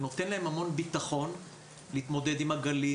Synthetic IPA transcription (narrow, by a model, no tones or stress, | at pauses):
no̞t̪e̞nlaemhamo̞nbit̪aχo̞n | liːt̪mo̞d̪ed̪imhaɡali